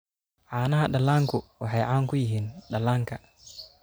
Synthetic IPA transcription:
ʕanaaɗalaŋkuwahajʕaŋkujiɦinɗalaŋka

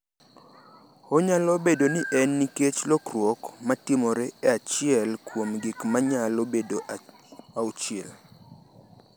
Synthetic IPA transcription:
oɲalobedonɪʔɛnːiket͡ʃlokrwokmatɪmoɾɛeat͡ʃɪɛlkwomɡɪkmaɲalobedo | aot͡ʃɪɛl

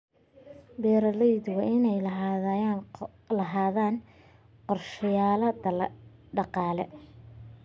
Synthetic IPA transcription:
bɛːɾɐlɛjd̪wɑʔɪnɛjlɐɦajan | lɐɦaːðaːn | qɔrʃɪjaːlɐd̪ | ɖɑqɑːlɛ

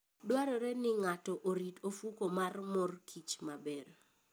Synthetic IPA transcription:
dwaɾɔɾɛnɪŋatɔʔoɾitofukomarmɔrkʰit͡ʃmabɛr

